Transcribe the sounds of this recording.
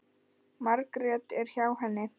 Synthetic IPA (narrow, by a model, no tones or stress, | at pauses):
maɾkɾjɛt̪ɛɾ̥çaːwɦanːɪ